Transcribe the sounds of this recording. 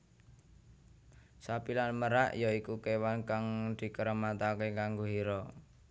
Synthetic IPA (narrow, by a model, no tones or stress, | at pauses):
sapilanməɾaʔjɔikukewankaŋd̪̥i̤kəɾəmat̪akekaŋɡoɦiɾɔ